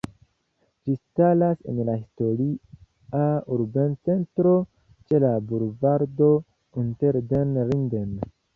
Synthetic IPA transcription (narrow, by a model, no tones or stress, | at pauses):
d͡ʒistalase̞̰nlahisto̞ɾi | auɾbe̞nt͡se̞ntɾo̞ | t͡ʃe̞labuɾvaɾdo̞ | inteɾdenɾinden